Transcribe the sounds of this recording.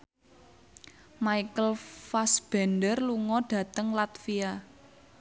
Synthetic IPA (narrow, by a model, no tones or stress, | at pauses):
maikəlfasb̥ɛndərluŋɔɖ̥ä̤t̪əŋlat̪fia